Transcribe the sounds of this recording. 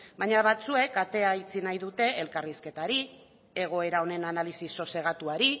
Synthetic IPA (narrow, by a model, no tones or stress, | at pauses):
baɲaβat͡sue̞kat̪e̞ait͡sinajðut̪e̞ʔelkariske̞t̪aɾi | e̞ɣ̞o̞e̞ɾao̞ne̞nanalisiso̞se̞ɣ̞at̪uaɾi